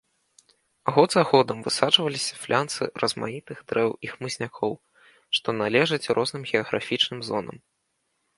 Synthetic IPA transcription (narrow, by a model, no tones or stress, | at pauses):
aɣɔd̪zaɣɔd̪ɐmvɨsat͡ʂvɐlʲisʲɐ̥flʲʔant̪sɨrɐzma̰nit̪ɨɣd̪ɾɛwixmɨzʲnʲakʰɔw | ʂt̪ɔnalʲɛʐɐt͡sʲrɔznɨmɣʲɛɐɣɾa̰fʲit͡ʂnɨmzɔnɐ̰m